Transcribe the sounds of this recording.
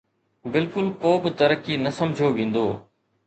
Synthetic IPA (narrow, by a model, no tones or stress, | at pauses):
bɪlkʊlkoːbɪt̪ɐɾəkiːnɐsɐmd͡ʒʱoːʋẽːnd̪oː